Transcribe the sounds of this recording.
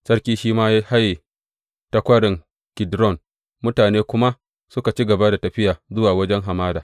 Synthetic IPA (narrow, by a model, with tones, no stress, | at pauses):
sɐ˦rkʲiː˦ʃiː˦maː˦ja˦ha˦ji˨ | tɐ˦kʷɐ˦ɽɪ˨ŋ | kʲɪ˨dɾɔ˦˨n | mʊ˦taː˨neː˦kʷʊ˦ma˦ | sʊ˦ka˨t͡ʃi˦ɡɐ˨ba˦da˨tɐ˨ɸɪ˦jaː˨zʊ˦waː˨wɐ˦d͡ʒɛ˦ŋɦa˨maː˦daː˨